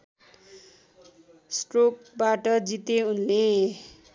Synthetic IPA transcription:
sʈrok̚baʈʌd͡zit̪eunle

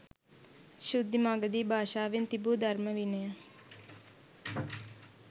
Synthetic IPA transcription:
ʃud̪maːɡəd̪iːbʱaːʃaːʋɪnt̪ibuːd̪ʱɐɾməʋine

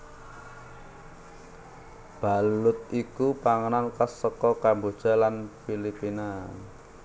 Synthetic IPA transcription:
b̥a̤lʊt̪̚ikupaŋənankasɔkɔkambo̤d̥ʒ̥a̤lanfilipina

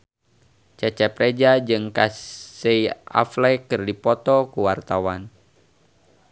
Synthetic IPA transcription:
t͡ʃɛt͡ʃɛpɾed͡ʒad͡ʒɨŋkaseia̰flɛkɨrdipɔt̪ɔkuwart̪awan

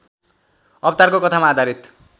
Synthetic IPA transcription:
ʌpt̪arkokʌt̪ʰamaːd̪ʱaɾit̪

